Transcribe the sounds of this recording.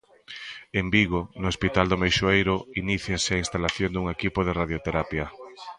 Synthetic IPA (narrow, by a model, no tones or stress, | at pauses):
embiɣonʊospit̪ald̪omejʃoejɾʊiniθjaseainst̪alaθjond̪uŋekipoð̞eraðjot̪eɾapja